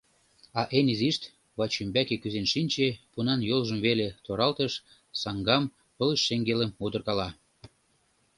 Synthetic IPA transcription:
ɑʔeniziʃt̪ | βɑt͡ɕymbækekyzenʃinʲt͡ɕepunɑnjolʒə̆mβelet̪oɾɑlt̪əʃ | sɑŋɡɑm | pɤ̆ləʃːeŋɡeləmud̪ə̆rkɑlɑ

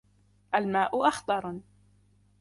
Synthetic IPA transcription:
ʔalmaːʔʊʔɑxt̪ˤɑɾˤ

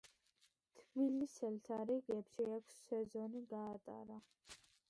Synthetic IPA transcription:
t̪ʰbilisɛlt̪ʰaɾɛɡɛpʃɛakʷʰsːɛzɔniɡaːt̪ʼa̰ɾa

